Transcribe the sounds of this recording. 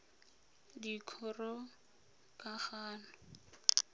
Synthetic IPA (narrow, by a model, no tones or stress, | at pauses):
dikʰɔrɔ | kʼaχaːnɔ